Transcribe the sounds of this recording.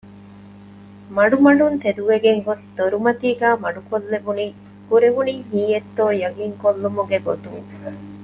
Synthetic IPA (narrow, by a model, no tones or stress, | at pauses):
mɐɖumɐɖunt̪ed̪uʋeɡeŋɡosd̪̥oɾumɐt̪iːɡæːmɐɖukolːebuniː | ɡ̥uɾeʋuniːɦiːjet̪ːoːjɐɡiŋkolːumuɡeɡot̪uŋ